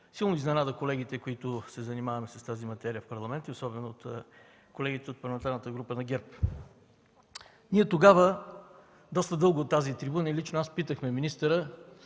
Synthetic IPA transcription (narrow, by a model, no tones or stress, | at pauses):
silˠnʊiznɛnad̪əkolɛɡit̪ɛkoit̪ʊsɛzɐnimavɐmɛsɐ̥st̪azimɐt̪ɛɾijəfpɐɾlˠɐmɛnt̪əiosɔbɛnʊot̪ | kolɛɡit̪ɛot̪pɐɾlˠmɛnt̪aɾnət̪əɡɾupənɐɡʲɛɾp | niɛt̪oɡavə | d̪ɔst̪əd̪ɤlˠɡot̪ːazit̪ɾibunəilit͡ʃnoaspit̪əxmɛminist̪əɾə